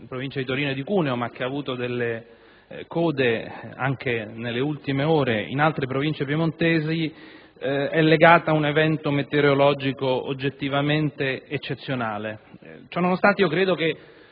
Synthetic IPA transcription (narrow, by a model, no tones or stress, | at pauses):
pɾovint͡ʃad̪it̪oɾiːnod̪ikuːneomak̟ːeavuːt̪od̪elːe | kɔːd̪ea̰ŋk̟enelːeult̪imeoːɾeḭnalt̪ɾepɾovint͡ʃepjemont̪ɛːzi | ɛlːeɡaːt̪aunevɛnt̪omet̪eɾeolɔd͡ʒikoo̰d͡ʒːet̪ːivament̪eːt͡ʃːet̪sːjonaːlet͡ʃɔnːonost̪ant̪eiokɾeːd̪oke